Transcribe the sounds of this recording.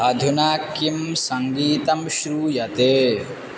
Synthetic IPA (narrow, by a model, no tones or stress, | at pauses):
ɐd̪ʱunaːkjimsɐŋɡiːt̪ɐmʃɾuːjɐt̪eː